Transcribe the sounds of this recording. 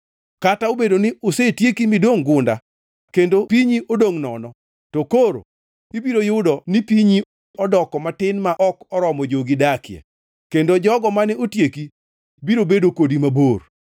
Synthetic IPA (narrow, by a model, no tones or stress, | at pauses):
kataobedonɪosetjekimidoŋɡʊnda | kendopiɲiʔodoŋnɔnɔ | tokoɾo̰ | ibiɾojʊdɔnipiɲi | ɔdɔkɔmatɪnmaʔɔkɔɾɔmɔd͡ʒoɡidakɪja̰ | kendod͡ʒɔɡɔmanɛotjeki | biɾobedokodimabor